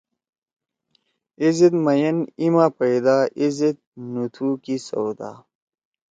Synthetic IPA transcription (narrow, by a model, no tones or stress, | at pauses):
izid̪mɐjɐnimaːpɐid̪aːʔizit̪̚nut̪ʰukisɐ̰wd̪a̰ː